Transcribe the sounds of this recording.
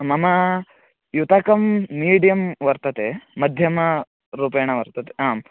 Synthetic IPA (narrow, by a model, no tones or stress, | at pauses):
mɐmɐ | jut̪aːkɐmːiːɖijɐmʋɐɾt̪ɐt̪emɐd̪ʱjɐmɐ | ɾuːpeːɳɐʋɐɾt̪ɐt̪e̥ɦaːm